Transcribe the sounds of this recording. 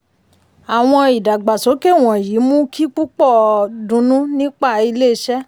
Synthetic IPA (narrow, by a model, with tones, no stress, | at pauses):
a˨w̃ɔ̃˧i˨da˨ɡ͡ba˨so˨˦ke˦˨w̃ɔ̃˨ji˨˦mũ˦kʰi˦k͡pu˦k͡pɔ˦˨dũ˨˧˦nũ˦nĩ˦k͡pa˦˨i˧le˦˧˦ʃɛ˦